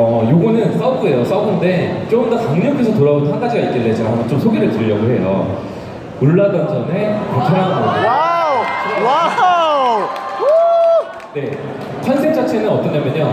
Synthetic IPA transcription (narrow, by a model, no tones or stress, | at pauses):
ʌjoɡʌnɯns͈auɡue̞jos͈aubɯnnde̞t͡ɕ͈oɯndakaŋɲʌpk͈ʰesʰʌtoɾabontʰakad͡ʑiɡait̚k͈elːed͡ʑaɦamʌnt͡ɕomsʰoɡeɾɯɭtɯɾiɾjʌɡoɦe̞jo̰ | muɭːadʌnd͡ʑʌne̞kat͡ɕʰaɾanaowa | wa | de̞ | kʰansʰeŋt͡ɕ͈at͡ɕʰe̞nɯnʌt͈ʌnɲamjʌɲo